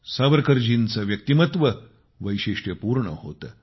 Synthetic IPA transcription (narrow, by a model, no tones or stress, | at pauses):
saʋəɾkəɾd͡ʑint͡səʋjək̚t̪imət̪ʋə | ʋəjɕiʂʈjəpuɾɳə̰ho̰t̪əː